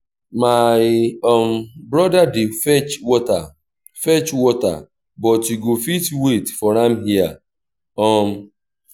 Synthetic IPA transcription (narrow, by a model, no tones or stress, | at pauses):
majɔm̩bɾɔdadɪfɛt͡ʃɔta | fɛt͡ʃwɔta̰ | bɔtiɡofitwetfɔɾam̩ɦia̰ | ɔm̩